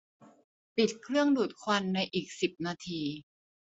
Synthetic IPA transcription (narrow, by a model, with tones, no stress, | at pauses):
pi˨˩t̪̚kʰɾɯ˥˩əŋduː˨˩t̪̚kʰwa˧nːa˧jʔiː˨˩k̚si˨˩p̚naː˧t̪ʰiː˧